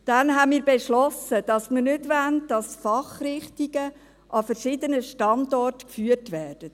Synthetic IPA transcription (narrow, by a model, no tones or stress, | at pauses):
d̥ɛnɦɛmiːɾbɛʃlɔsəd̥ɑsməɾnʏdʋæntdɑsfɑχɾɪχtiɡə | ʔɑfəɾʃɪdənəʃtɑndɔrtkfyːərtʋɛːrd̥ə